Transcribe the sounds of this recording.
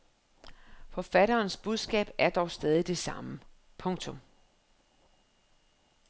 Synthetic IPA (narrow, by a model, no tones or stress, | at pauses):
fɒ̽fæɾɐːnsb̥uð̞ˠsɡ̥ɛ̰ːb̥æɐd̥ɒʊsd̥ɛːð̞ˠid̥e̝sɑ̈mə | pʰɔ̽ŋt͡sʰɔ̽m